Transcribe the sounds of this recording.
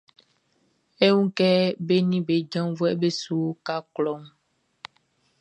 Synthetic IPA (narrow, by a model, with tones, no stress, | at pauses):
e˦ŋũ˦kɛ˦be˦nĩ˦be˨d͡ʒã˦vo˦e˦be˦su˦ka˦klɔ˦m